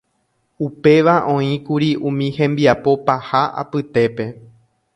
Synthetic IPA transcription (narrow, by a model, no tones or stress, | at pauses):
upe̞ʋaʔõ̞ĩkuɾiʔũmĩhẽ̞mbiapo̞pahaʔa̰pɨt̪e̞pe̞